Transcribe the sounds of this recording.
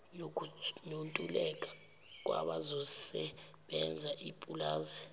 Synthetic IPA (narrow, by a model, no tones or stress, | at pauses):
nonontʼulɛk̬ʼḁ | k̬ʼwa̰ɓazɔsɛɓɛnd͡zʱaʔipʼulaːzɛ